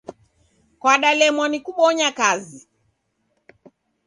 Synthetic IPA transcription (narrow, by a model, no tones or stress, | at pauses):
kwaɗalɛmɔnikuɓɔɲakazi